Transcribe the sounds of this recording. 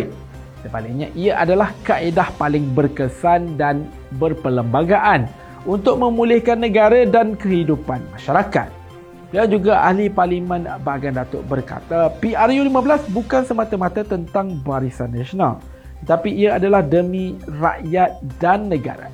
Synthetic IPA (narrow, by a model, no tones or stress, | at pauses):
səbalak̚ɲãʔiaʔadalahkaʔedahpalɪŋbərkəsandan | bərpələmbaɡaʔan | unt̪ʊk̚mə̃mũlɪhkanːə̃ɡaɾadankəɦidupanmãʃaɾaka̰t̪̚ | b̥iawd͡ʒuɡaʔa̰hliparlimə̃nbaɡandat̪ʊ̰ʔ̚bərka̰t̪apiʔarjulimablasbukansəmat̪amãt̪at̪ənt̪aŋbaɾisanːaʃona̰l | t̪ət̪apiːaadalahdəmĩra̰ʔjat̪̚danːə̃ɡa̰ɾa̰